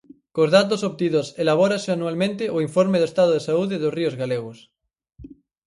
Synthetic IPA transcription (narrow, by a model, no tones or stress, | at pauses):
kozðat̪̬osoβt̪iðoselaβ̞oɾaseanualmẽnt̪eʔoiɱfoɾmeðoest̪að̞oðesauðeðosriozɣaleɣ̞os